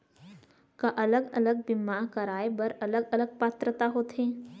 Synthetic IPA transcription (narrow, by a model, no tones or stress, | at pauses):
kaʔɐləɡɐ̰ləɡ̚bimaːkɐɾaːebɐɾɐləɡɐləɡ̚paːt̪ɾət̪aɦoːt̪ɦẽː